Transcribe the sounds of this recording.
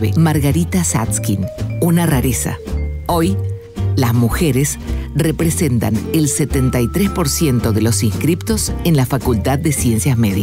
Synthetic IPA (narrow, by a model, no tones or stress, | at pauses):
ḛmaɾɣaɾit̪asa̰t̪skinunaraɾesa̰oj | lazmuxeɾesrepɾesent̪a̰nelset̪ent̪ajt̪ɾespo̞ɾsje̞nt̪o̞ðe̞lo̞siŋskɾipt̪o̞senlafakult̪aðːesjensjazmeði